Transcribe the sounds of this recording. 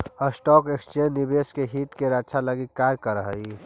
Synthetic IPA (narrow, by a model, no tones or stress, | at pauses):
əsʈɔːkeksʈeːnibeːskeɦiːt̪keɾadsʰaləɡikkːaːɾkəɾəɦəi